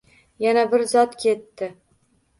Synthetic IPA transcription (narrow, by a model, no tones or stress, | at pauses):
janabɪɾzɒt̪kʲʰe̞t̪ːɪ